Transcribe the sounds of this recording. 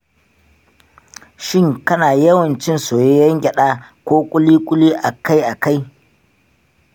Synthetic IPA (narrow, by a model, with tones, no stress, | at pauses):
ʃɪ˦˨ŋkɐ˦naː˨jɐ˦wɐ˨nt͡ʃɪ˦nsoː˨je˦jɐ˦ŋɡʲʼɐ˨ɗaː˦kʷoː˦kʷʼʊ˦liː˦kʷʼʊ˦liː˦ʔa˨ka˦jʔa˨ka˦j